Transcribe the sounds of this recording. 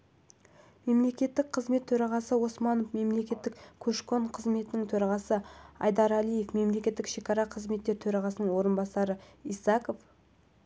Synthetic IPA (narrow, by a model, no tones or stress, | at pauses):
me̞mle̞kʲe̞t̪ːɪk̚qʰəzme̞t̪ʰːɵɾɑʁɑsəwo̞smɑnofme̞mle̞kʲe̞t̪ːɪkkʲʰɵʃko̞ɴqʰəzme̞t̪ɪnɪŋt̪ʰɵɾɑʁɑsəɑ̰jd̪ɑɾælije̞fme̞mle̞kʲe̞t̪ːɪkʃe̞kʲɑɾɑqʰəzme̞t̪ːe̞ɾt̪ʰɵɾɑʁɑsənəɴwo̞ɾənbɑsɑɾəijsɑko̞f